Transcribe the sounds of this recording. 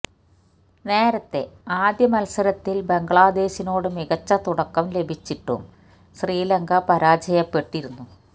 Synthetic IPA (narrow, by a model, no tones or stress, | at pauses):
ne̞ːɾɐt̪ːe̞aːd̪jɐmɐlsɐɾɐt̪ːilbe̞ŋɡɐɭaːd̪e̞ːɕino̞ːɽɨmiɣɐt͡ɕːɐt̪uɽɐkːɐmle̞bʱit͡ɕːiʈːṵm | ɕriːlɐŋɡɐpɐɾaːd͡ʑɐjɐpːe̞ʈːiɾunːu